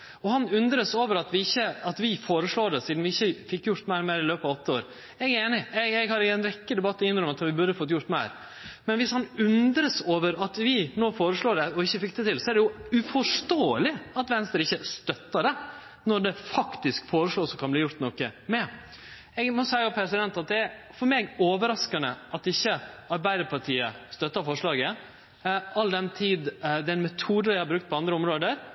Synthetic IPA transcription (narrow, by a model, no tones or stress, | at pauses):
ɔhɑnʉnd̪ɾəsoːʋəɾɑt̪ʋɪɪçːəɑt̪ʋɪfoːɾəʂɭoːɖɛsiːd̪n̩ʋɪɪçːəfɪkːjʊɾt̪mæɪɾɔmeːɾɪløːpɑʋɔt̪ːəoːɾ | ɛɡæɾeːnɪɛɡɛɡhɑɾɪɛnɾɛkːəd̪ɛbɑt̪ːɪnːɾɔmɑt̪ʋɪbʉɾəfɔt̪ːjʊɾʈ̪t̪mæɪɾ | mɛnʋɪshɑnʉnd̪ɾəsoːʋəɾɑt̪ʋɪnoːfoːɾəʂɭoːɖɛɔɪçːəfɪkːd̪ɛt̪ʰɪlsɔæɖɛjʊʉfɔʂt̪oːəlɪɑt̪ʋɛnst̪əɾɪçːəst̪œt̪ːəɖɛ | nɔɖ̪ɛfɑkt̪ɪskfoːɾəʂɭoːsɔkʰɑnbliːjʊɾt̪nɔkːəmɛ | ɛɡmɔsæɪʊpʰɾɛsɪd̪ɛnt̪ɑt̪̚d̪ɛæɾfɔɾmeːɡoːʋəɾɑskɑnəʔɑt̪ɪçːəɑɾbæɪd̪əɾpʰɑʈʰiːə̰st̪œt̪ːəfɔʂɭɑːɡə | ɑld̪ɛnt̪ʰiːd̪d̪ɛnmɛt̪ʰuːd̪əɾæɪhɑɾbɾʉkt̪̚pʰɔɑnd̪ɾəɔmɾoːd̪əɾ